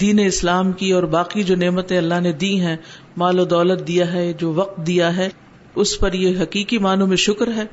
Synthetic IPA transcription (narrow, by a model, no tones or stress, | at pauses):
d̪iːneɪslaːmkiɔːɾbaːqid͡ʒoːneːmət̪ẽɐlːaɦned̪iːɦɛ̃ | maːlod̪ɔːlət̪̚d̪ijaɦɛd͡ʒoːʋɐq̚t̪̚d̪ijaɦɛː | ʊspɐɾjeɦɐqiːqimaːnõmẽʃʊkɾɦɛː